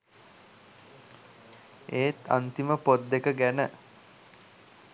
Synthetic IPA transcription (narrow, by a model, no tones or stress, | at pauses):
eːt̪a̰nt̪iməpod̪ːekəɡænə